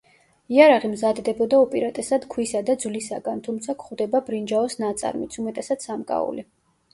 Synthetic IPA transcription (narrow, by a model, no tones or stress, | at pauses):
iaɾaʁimzad̪d̪ɛbɔd̪aupʼiɾat̪ʼɛsad̪̥kʰwisad̪ad̪zvlisaɡant̪ʰumt̪sʰakʰχwd̪ɛbabɾind͡ʒaɔsnat̪sʼa̰ɾmit̪sʰumɛt̪ʼɛsat̪ssamkʼa̰ṵli